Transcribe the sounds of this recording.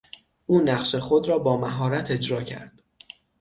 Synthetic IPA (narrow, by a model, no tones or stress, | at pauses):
ʔuːnæɢʃe̞xo̞d̪ɾɒːbɒːmæɦɒːɾæt̪ʰe̞d͡ʒɾɒːcʰæ̰ɾd̪̥